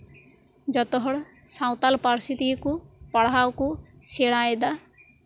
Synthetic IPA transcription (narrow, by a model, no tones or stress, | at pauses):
d͡ʒɔt̪ɔɦɔɽ | saw̃t̪alpaɾsit̪ikupɔɽawkuseɽajd̪a